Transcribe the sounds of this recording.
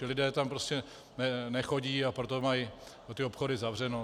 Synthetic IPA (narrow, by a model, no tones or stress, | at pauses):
ɪlɪdɛːt̪ampɾoscɛ | nɛnɛxo̞ɟiːapɾot̪o̞maj | ot̪ɪo̞pxo̞dɪzavr̝ɛno